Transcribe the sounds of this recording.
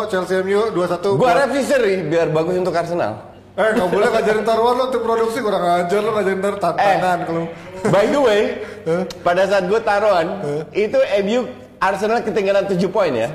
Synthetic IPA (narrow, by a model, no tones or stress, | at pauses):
t͡ʃalsiɛmjoduasat̪uɡuaɾɛfɾis̬əɾibiarbaɡʊsunt̪ʊkarsəna̰l | əŋabolɛkad͡ʒaɾɪnt̪aɾuarlaunt̪ʊk̚pɾoduk̚sikuɾaŋad͡ʒarlakad͡ʒaɾɪnt̪aɾot̪anaŋankalo | bajd̪əweəpadasaːt̪̚ɡuat̪aɾoanit̪uebju | ʔarsənalkət̪iŋɡalant̪ud͡ʒupɔɪnt̪ja̰